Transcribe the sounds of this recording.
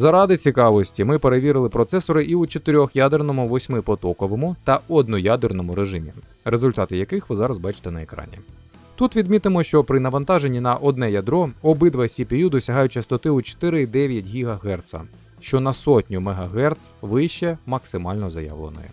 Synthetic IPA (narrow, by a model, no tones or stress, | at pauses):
zɐɾɑd̪ɪt͡sʲikɑʋɔsʲtʲimɪpe̞ɾeʋʲiɾɪlˠɪpɾɔt̪sɛsɔɾɪʔiut͡ʃɔt̪ɪɾʲɔxjad̪ernɔmʊʋɔsʲmɪpɔt̪ɔkɔʋɔmʊt̪ɐɔd̪nʊjad̪ernɔmʊɾeʒɪmʲḭ | ɾezʊlʲt̪ɑt̪ɪjɐkɪxʋɪzɑɾɐzbɑt͡ʃɪ̥t̪ɛnɐekɾɑ̰nʲḭ | t̪ut̪ʋʲid̪mʲit̪ɪmɔʃt͡ʃɔpɾɪnɐʋɐnt̪ɑʒenʲːinɐʔɔd̪nɛjɐd̪ɾɔɔbɪd̪ʋɐsʲipʲijud̪ʊsʲɐɦɑjʊt͡ʃɐst̪ɔt̪ɪut͡ʃo̥t̪ɪɾɪid̪ɛʋʲjɐtʲɦʲiɦɐɦɛrt̪sɐ̰ | ʃt͡ʃɔnɐsɔtʲnʲʊmeɦɐɦɛrt̪sʋɪjʃt͡ʃɛmɐksɪmɑlʲnɔzɐjɑ̰ʋlˠḛnɔ̰jɛ̰